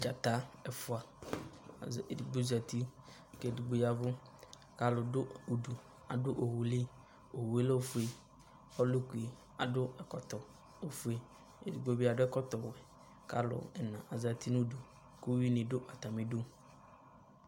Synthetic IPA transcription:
d͡ʒa˨t̪a˨˦ɛ˨fʊ˨a˨ | dɡ͡bo˦za˨t̪i˦ | ke˨du˨ɡ͡bo˦ja˨vʊ˦ | ka˦lʊ˨dʊ˦u˨ɖu˨ | a˨dʊ˦ʔo˨wu˨li˦ | o˨wu˨e˦lo˦fu˨e˨ | ɔ˦lʊ˦ku˨e˨ | a˨dʊ˦ɛ˨kɔ˨t̪ɔ˨ | o˨fu˨˦e˦ | ḛ˨du˨ɡ͡bo˦bi˦a˨dʊ˦ɛ˦kɔ˦t̪ɔ˨wɛ˨ | ka˦lʊ̰˨ɛ˨nã˨ʔa˨za˨t̪i˦nũ˦du˨ | ku˦wi˦nɪ̃˨dʊ˦ʔa˨t̪a˨mĩ˨dʊ˦

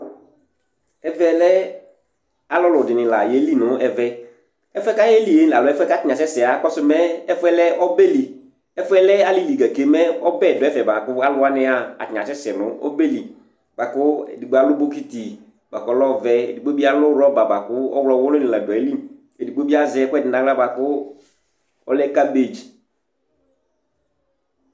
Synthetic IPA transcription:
ɛ˦vɛ˦lɛ˦ | a˨lɔ˦lʊ˨dɪ˨nɪ̃˨la˨je˨˦li˦nʊ˦ɛ˨vɛ˦ | ɛ˦fʊ˦ɛ˦ka˦e˦li˨e˨˦la˨lʊ˨˦ɛ˦fɛ˦ka˦tɪ˦ɲã˨sɛ˦sɪ˨a˨˦kɔ˦sʊ˦mɛ˦ɛ˦fʊ˦ɛ˦lɛ˦ʔɔ˦be˦li˨ | ɛ˦fʊ˦ɛ˦lɛ˦a˦li˦li˨ɡa˨ke˨mɛ˦ɔ˦bɛ˦˨dɔ˨ɛ˦fɛ˨ba˨kʊ˦a˦lʊ˦a˦nɪ˦a˦a̰˨tɪ˨ɲã˨sɛ˦sɛ˨nʊ̃˦ɔ̰˦be˦li˨ | ba˨kʊ˦ḛ˨di˨ɡ͡bo˨a˨lʊ˦bo˦ki˦ti˨ | ba˨kɔ˦lɔ˦˨vɛ˦ḛ˨di˨k͡po˦bi˦a˦lʊ˦ɾɔ˦ba˨ba˨kʊ˦ɔ̰˦wlɔ˨wʊ˦lʊ˦nɪ̃˨la˨dɔ˨e˦li˦m | e˨di˨k͡po˦bi˦a˦zɛ˦kʊ˦ɛ˦˨dɪ˨na˨˦la˦ba˨kʊ˦ | ɔ˦lɛ˦ka˦be˨d͡ʒi˨

